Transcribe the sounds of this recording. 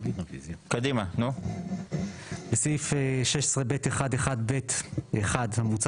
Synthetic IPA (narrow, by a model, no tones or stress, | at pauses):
kad̪imanu | besifeʃeʃesʁebet̪eχad̪eχad̪bet̪eχad̪hamut͡s